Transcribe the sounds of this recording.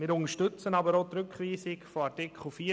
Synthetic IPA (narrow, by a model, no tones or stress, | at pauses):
mɪːɾʊŋəʃtʏt͡sənɑbəɾot̪ɾʏkχʋiːsɪkfoɑtɪkʰχl̩fiː